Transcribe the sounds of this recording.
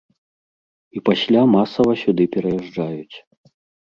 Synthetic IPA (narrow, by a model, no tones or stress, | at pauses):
ipasʲlʲamasɐvɐsʲud̪ɨpʲɛɾɐjɛʐd͡ʐajut͡sʲ